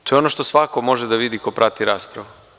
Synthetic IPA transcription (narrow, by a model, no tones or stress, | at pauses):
t̪ojeonoʃt̪o̞sʋako̞mo̞ʒed̪aʋid̪iko̞pɾat̪iɾaːspɾaʋu